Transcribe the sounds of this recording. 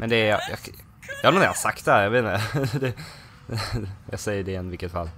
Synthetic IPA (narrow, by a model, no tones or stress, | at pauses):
mʔɛnd̪ɛjɑjɑ̰ | jɑɡɾunja̰hasakt̪̚d̪ɛhæːɾjɑveːt̪nd̪ɛ | jɑ̰ɡsɛjːəɖɛɛnvɪkːət̪fa̰lː